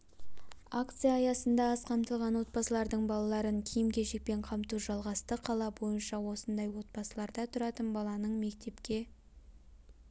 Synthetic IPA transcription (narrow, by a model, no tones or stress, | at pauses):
akt̪sɨjaːjɑsənd̪ɑɑsqʰɑmt̪əlˠʁɑnwo̞t̪̚pɑsəlˠɑɾd̪əɴbɑlˠɑlˠɑɾəŋkʲʰijɪmkʲʰe̞ʃek̚pe̞ɴqʰɑmt̪uʒɑlˠʁɑst̪əqʰɑlˠɑbo̞jənʃɑwo̞sənd̪ɑjwo̞t̪̚bɑsəlˠɑɾd̪ɑt̪ʰʊɾɑt̪ənbɑlˠɑnəɴme̞kt̪e̞pkʲe̞